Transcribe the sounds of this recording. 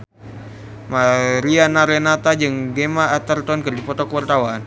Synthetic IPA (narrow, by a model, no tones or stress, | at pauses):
maɾianaɾenat̪ad͡ʒɨŋɡemaːt̪ərt̪ɔnkərdipɔt̪ɔkəwart̪awan